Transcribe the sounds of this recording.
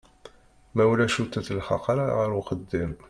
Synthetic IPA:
mæwlæʃut̪ːæθəlχɑ̰qɑɾaʁəɾwqəd̪ːim

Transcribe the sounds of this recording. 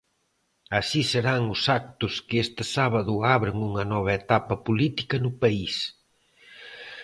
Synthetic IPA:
ɐsiseɾaŋʊsak̚t̪ʊskɪest̪ɪsaβɐðʊaβɾɪŋuŋɐnɔβ̞ɐet̪apɐpulit̪ikɐnʊpɐis

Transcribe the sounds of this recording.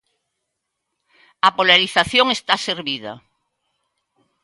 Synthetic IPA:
apolaɾiθaθjoŋest̪aseɾβið̞ɐ̰

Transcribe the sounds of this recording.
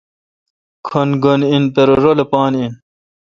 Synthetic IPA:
kʰonɡoninpeɾoɾolepaːnin

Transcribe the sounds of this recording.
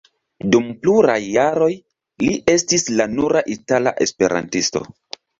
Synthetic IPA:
dumpluɾajːaɾo̞j | liʔe̞stislanuɾaʔitala̰ʔe̞spe̞ɾʔa̰ntisto̞̰

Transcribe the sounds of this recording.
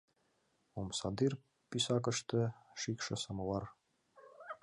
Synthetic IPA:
omsɑd̪ir | pisɑkɤ̆ʃt̪ɤʃikʃɤ̆sɤ̆mɤ̆lˠɑɾ

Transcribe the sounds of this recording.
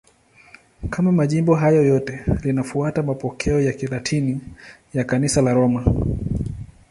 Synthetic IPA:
kamamaʄimbɔɦajɔjɔtɛlinafuatamapɔkʰɛɔjakilatʰini | jakanisalaɾɔma

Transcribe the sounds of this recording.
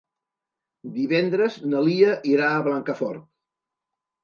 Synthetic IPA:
d̪iβɛnd̪ɾəznəliəʔiɾaːβlaŋkəfɔ̰ɾt̪̚

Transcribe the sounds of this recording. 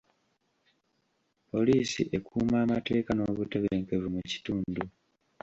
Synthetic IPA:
po̞liːsḭʔe̞kʰuːmaːmate̞ːkano̞ːβute̞βeːŋke̞vumuci̥tuːndu

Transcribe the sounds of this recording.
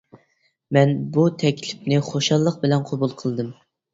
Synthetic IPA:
mɛnbut̪ʰɛkʲʰlɪpnɪχoʃɑlˠːəq̚bɪlɛnqʰobulˠqʰəlˠd̪ɨm

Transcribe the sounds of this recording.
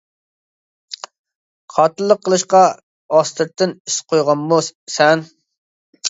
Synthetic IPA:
qʰɑt̪ɨlˠːəqʰːəlˠɨʃqɑ | ɑst̪ʰɨɾt̪ʰːɪnisqʰojʁɑnmusɛn

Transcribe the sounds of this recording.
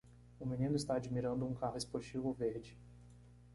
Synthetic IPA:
ʊmĩnĩnʊist̪aːd͡ʒimiɾɐ̃nd̪ʊũkaɦʊespoɾt͡ʃivowveɾd͡ʒɪ

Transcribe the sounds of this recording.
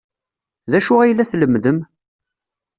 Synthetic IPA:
ðæʃʊʁæjlːæθləmːðəm

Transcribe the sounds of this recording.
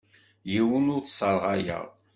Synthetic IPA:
jiwənʊɾθsˤəɾˤʁɑjæ̰ʁ

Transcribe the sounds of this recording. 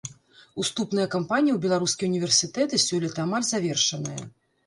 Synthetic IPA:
ust̪upn̪ɨjɐkampanʲijiwbʲɛlˠaɾuskʲiunʲivʲɛrsʲit̪ɛt̪ɨsʲɔlʲɐt̪ɐːmalʲzavʲɛrʂɐnɨjɐ̰

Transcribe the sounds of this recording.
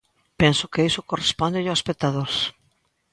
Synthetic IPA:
pensʊkeisʊkorespond̪eʎoaspet̪aðoɾs

